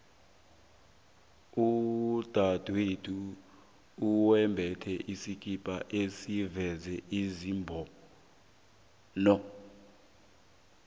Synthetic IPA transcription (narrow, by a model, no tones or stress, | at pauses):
ud̥ʱad̥ʱwetʰuː | wɛmbʱɛtʰɛʔisikʼipʼaʔesivɛzɛʔizimbʱɔ | nɔ